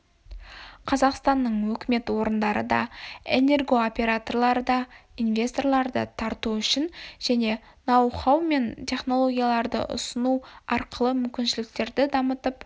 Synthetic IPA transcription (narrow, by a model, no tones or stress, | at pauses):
qʰɑzɑqst̪ɑnːəɴwɵkʲɪme̞t̪wo̞ɾənd̪ɑɾə̰d̪ɑ̰e̞̰ne̞rɡo̞opʲe̞ɾat̪o̞rlˠɑɾəd̪ɑinvʲe̞st̪o̞rlˠɑɾd̪ə̰t̪ʰɑɾt̪uʏʃɪnʒ̥æne̞ | nɑwχɑwme̞nt̪ʲʰe̞χno̞lˠo̞ɡʲijalˠɑɾd̪ə̰ʔʊ̰sənuɑɾqəlˠəmʏmkʲɪnʃɪlɪk̚t̪e̞ɾd̪ɪd̪ɑmət̪əp